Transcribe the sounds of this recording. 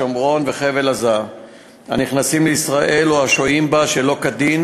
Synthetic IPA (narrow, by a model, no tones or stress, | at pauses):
omʁo̞nveχe̞ve̞laza | ha̰niχnasimleisʁaʔe̞loaʃo̞imbaʃelo̞kad̪in